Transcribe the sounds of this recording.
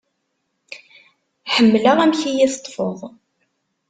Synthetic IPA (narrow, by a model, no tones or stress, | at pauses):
ħəmːləʁæmçijæθət̪ˤːfəðˤ